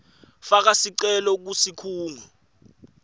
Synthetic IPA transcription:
fak̬asiǀɛlɔk̬usikʰuːŋʱɔ

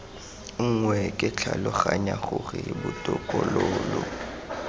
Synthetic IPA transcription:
ŋ̩ŋwɛkʼɪt͡ɬʰalʊχaɲaχʊrɪbʊtʼɔkʼɔloːlɔ

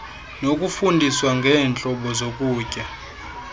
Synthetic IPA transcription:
nokʼufundʱiswaŋɡʱɛːnt͡ɬʼɔɓɔzokʼuːcʼa

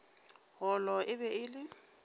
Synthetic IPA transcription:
ɣɔlɔʔɪbɛɪːlɪ

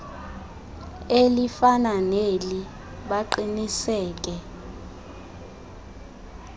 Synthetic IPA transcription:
elifananeli | ɓaǃinisɛːk̬ʼɛ

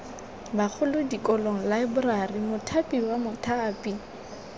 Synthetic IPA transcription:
bak͡xʰʊlʊdikʼɔloŋ̩laɪbʊrarimʊtʰapʼiwamʊtʰaːpʼi

